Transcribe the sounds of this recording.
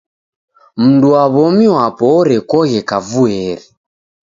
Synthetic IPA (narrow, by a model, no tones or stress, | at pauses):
m̩nduaβɔmiwapɔɾɛkɔɣɛkavuɛɾɛ